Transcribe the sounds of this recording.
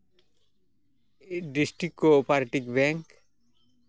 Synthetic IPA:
ɖisʈɾikːopaɾʈikbɛŋk

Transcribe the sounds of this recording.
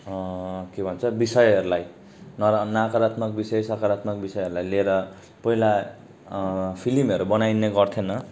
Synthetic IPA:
kebʱʌnt͡sʰʌbisʌjʌɾulaj | nʌnakaɾat̪mʌk̚bisejsʌkaɾat̪mʌkbisʌjʌɾulajleɾʌ | pʌɦila | pʰilimʌɾubʌnajneɡʌrt̪ʰjenʌ

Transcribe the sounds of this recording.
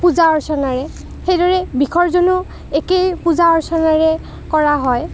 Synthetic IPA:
puzaɔɹsɔnaɹɛ | xejdɔɹɛbikʰɔɹzɔnu | ekejpuzaɔɹsɔnaɹɛ | kɔɹaɦɔj

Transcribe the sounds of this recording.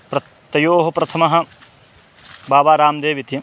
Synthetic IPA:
pɾɐ | t̪ɐjoːɦɐpɾɐt̪ʰɐmɐɦɐ̆ | baːbaːɾaːmd̪eːʋit̪jɐ

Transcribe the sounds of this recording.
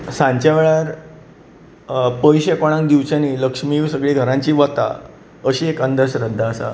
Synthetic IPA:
sãɲt͡ɕaʋeɭaɾ | pəjɕekoɽ̃ãŋk̚d̪iʋt͡ɕaniːləkʂmiʋsəɡɭeɡʱəɾãɲt͡ɕiːʋat̪a̰ | əɕiːekənd̪əɕɾəd̪ʱːaəsa̰

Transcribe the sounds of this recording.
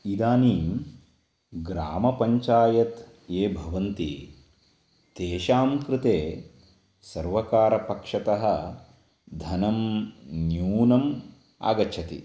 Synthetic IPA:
id̪aːniːm | ɡɾaːmɐpɐɲt͡ʃaːjɐt̪ | eːbʱɐʋɐnt̪i | t̪eːʃaːmkɾɪt̪eː | sɐɾʋɐkaːɾɐpɐkʂɐt̪ɐɦɐ | d̪ʱɐnɐmnjuːnɐm | a̰ːɡɐt͡ʃʰɐt̪ḭ

